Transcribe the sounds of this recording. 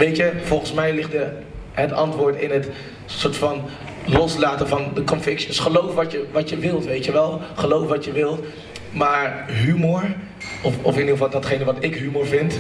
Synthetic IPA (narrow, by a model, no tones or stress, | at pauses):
ʋejtjəv̥ɔlˠχənsmɛjlɪχtə | ɦətɑ̰ntʋʊːɹtɪnɦət | sʊːɹtfɑn | lɔslaːtənvɑndəkɔnfɪksəsχəlowfʋɑtjəʋɑtəʋɪlˠtʋejtjəʋɛlˠχəlowfʋɑtjəʋɪlˠt | maːɹɦymoːɹ | ɔfɔfɪndiəvɑlˠdɑtχejnəʋɑtɪkɦymoːɹvɪnt